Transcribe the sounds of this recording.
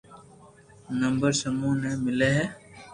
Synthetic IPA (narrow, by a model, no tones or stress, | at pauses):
nə̃mbəɾsəmũːnemɪleɦɛː